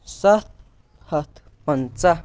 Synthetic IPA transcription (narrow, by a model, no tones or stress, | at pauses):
sat̪ | hat̪ | pant͡sa